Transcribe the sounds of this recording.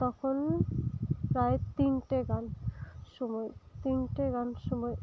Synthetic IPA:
t̪ɔkʰon | pɾajt̪inʈeɡanʃɔmɔjt̪inʈeɡanʃɔmɔj

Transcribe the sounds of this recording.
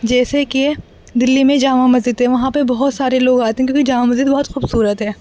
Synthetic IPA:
d͡ʒɛːseke | d̪ɪlːimẽd͡ʒaːmamɐzid̪ɦɛʋɐɦãpɐbɐɦɔt̪saːɾeloːɡaːt̪eɦɛ̃kjõːkid͡ʒaːmamɐzid̪bɔɦɔt̪xuːbsuːɾət̪ɦɛː

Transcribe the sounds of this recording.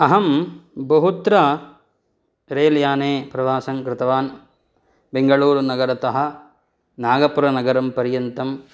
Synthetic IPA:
ɐɦɐmbɐɦut̪ɾɐ | ɾeːljaːneːpɾɐʋaːsɐŋkɾɪt̪ɐʋaːn | beŋɡɐɭuːɾnɐɡɐɾɐt̪ɐɦɐ̆ | naːɡɐpuɾɐnɐɡɐɾɐmpɐɾjɐnt̪ɐm

